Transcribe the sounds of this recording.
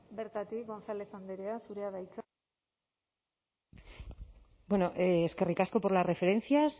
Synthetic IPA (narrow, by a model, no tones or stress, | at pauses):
beɾt̪at̪ik̚ɡo̞nsale̞sand̪eɾeasuɾeaðajt͡s | bwe̞no̞ʔeske̞rikasko̞po̞ɾlasre̞fe̞ɾe̞nθjas